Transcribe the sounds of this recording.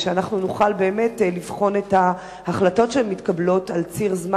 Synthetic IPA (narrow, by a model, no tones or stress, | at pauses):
ʃeanaχnunuχalbeːme̞tlivχo̞netha | haχlato̞tʃeemːitkablo̞talt͡siʁzma